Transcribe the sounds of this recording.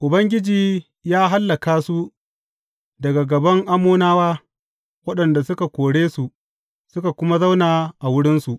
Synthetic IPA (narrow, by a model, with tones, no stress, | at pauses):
ʔʊ˨bɐ˦ŋɡʲɪ˦d͡ʒiː˨ | jaː˦ɦa˦lːa˨kaː˦su˦ | dɐ˨ɡa˨ɡɐ˨bɐ˦ŋʔa˦mːoː˦naː˦waː˦ | wɐ˦ɗɐ˨nda˨sʊ˦ka˨kʷoː˨ɽeː˦su˨ʔ | sʊ˦ka˨kʷʊ˦ma˦za˦wnaː˨ʔa˨wʊ˦ɽɪ˦nsu˨ʔ